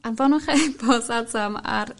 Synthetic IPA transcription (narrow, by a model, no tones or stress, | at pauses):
anvɔnʊχebɔzadama̰r